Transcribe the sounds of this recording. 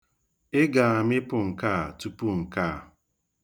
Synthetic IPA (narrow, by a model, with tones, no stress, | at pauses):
ɪ˦ɡa˨a˨mɪ˦pʊ˨ŋ̩˨kaː˦˨tu˦pu˦ŋ̩˨ka˦˨